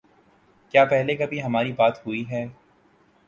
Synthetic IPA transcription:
kjaːpɛɦlekɐbʱiɦɐmaːɾibaːt̪ɦʊiɦɛː

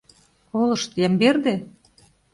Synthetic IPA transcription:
olˠɤ̆ʃt̪jæmberd̪e

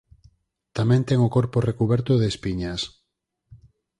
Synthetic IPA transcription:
t̪amɛ̃nt̪ɛŋokoɾporekuβɛɾt̪ʊðeːspiɲas

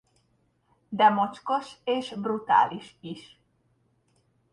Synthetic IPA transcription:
d̪amot͡ʃkosesbɾut̪a̰lisis

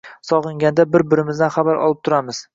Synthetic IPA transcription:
sɒʁɨŋɡʲand̪abɪɾbɪɾɪmɪzd̪anχabaɾɒ̰lˠɪp̚t̪ʰʊɾamɪz̥

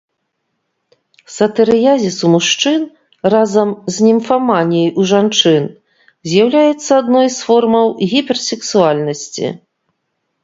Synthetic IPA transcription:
sɐt̪ɛɾɨjazʲisumuʂt͡ʂɨn | razɐmzʲnʲɛmfamanʲijɛjʔuʐant͡ʂɨn | zʲjawlʲajɛt̪sːɐad̪nɔjsfɔrmɐwɣʲipʲɛrsʲɛksualʲnɐsʲt͡sʲḭ

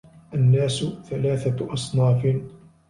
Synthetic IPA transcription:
ʔanːaːsʊθalaːθaʔɑsˤnɑːf

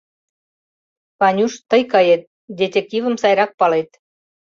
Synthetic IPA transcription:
pɑnʲuʃt̪əjkɑjet̪̚ | d̪ʲet̪ʲek̚t̪ʲivə̆msɑjɾɑk̚pɑlet̪

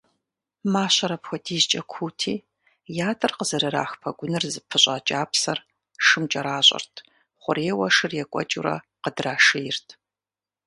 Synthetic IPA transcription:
maːɕɐɾɐpxʷɔtʰiːzt͡ʃʼɐkʷʰuːtʰiː | jaːtʰʼɨrqəzɐɾɨɾa̰ːxpʰɐɡʷʊnɨrzɨpʰɨɕʼɐt͡ʃʼaːpʰsɐr | ʂɨmt͡ʃʼɐɾaːɕʼɐ̰rtʰ | χʷʊɾeːwɐʂɨrjɛkʷʼɔ̰t͡ʃʼṵɾɐ̰ | qədraːʂɨjɪrtʰ

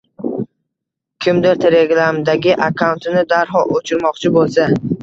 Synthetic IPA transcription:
kʲʰɪmd̪ɪɾt̪ʰe̞le̞ɡɾamd̪aɡʲɪʔakʰawnt̪ɪnɪd̪aɾɦɒʔot͡ʃʰɪɾmɒqt͡ʃʰɪbolˠsa

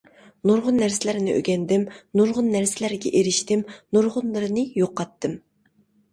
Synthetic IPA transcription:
noɾʁʊnːæɾsɪlæɾɪnɪʔø̰ɡʲɛnd̪ɪmnuɾʁʊnːæɾsɪlæɾɡʲɛ̰ʔeɾɪʃt̪ɪmnoɾʁʊnlˠɨɾɨnɨjoqːɑt̪ʰːɨm

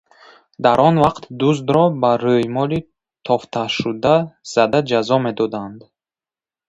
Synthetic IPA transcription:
d̪aɾʔɔnvaqt̪d̪uzd̪ɾɔbaɾøjmɔli | t̪ʰɔft̪ʰaʃud̪az̥ad̪ad͡ʒazɔme̞d̪ɔd̪and̪

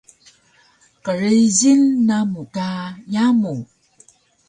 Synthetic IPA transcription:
qəɾəʑilnamukajamu

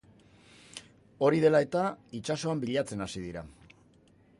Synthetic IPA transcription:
o̞ɾið̞e̞lae̞t̪ait͡ʃaso̞ambiʎat͡se̞nasiðiɾa

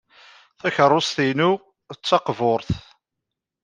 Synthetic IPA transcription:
θæçərˤːost̪inu | ət͡sːɑqvʊɾθ

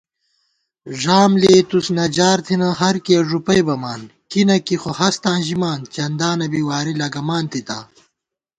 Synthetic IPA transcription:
ʐaːmleːt̪usnɐd͡ʑaːɾt̪ʰinɐɦɐɾkeːʐupɐjbɐmaːnkinɐkixohɐst̪ãːnʑimaːnt͡ɕɐnd̪aːnɐbiːwaːɾilɐɡɐmaːnt̪it̪a̰ː

